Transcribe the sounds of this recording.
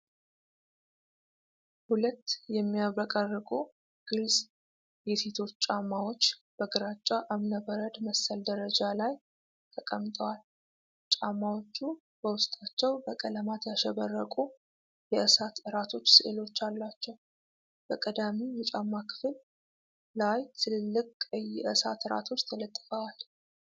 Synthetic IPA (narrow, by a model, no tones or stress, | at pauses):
hulət̪ːjɛmːijaβəkʼərːɨkʼu | ɡ̥ɨls | jɛset̪ʰo̞t͡ʃːt͡ʃʼamːawo̞t͡ʃːb̥əɡɨɾat͡ʃʼːaʔamnəbəɾəd̪məsːəld̪əɾəd͡ʒalaj | t̪ʰəkʼəmt̪ʼʰəwal | t͡ʃʼamːawo̞t͡ʃːu | b̥əwʊst̪ʼat͡ʃːɛwbəkʼələmat̪jaʃɛβərːəkʼu | jɛʔɨsat̪ɨɾat̪ʰo̞t͡ʃːsɨʔelo̞t͡ʃːalːat͡ʃːɛw | b̥əkʼəd̪amijɛt͡ʃʼamːakʰɨ̥fl | lajt̪ʰɨllːɨkʼjɛʔɨsat̪ɨɾa̰t̪ʰo̞t͡ʃːt̪ʰələt̪ʼːɨfəwal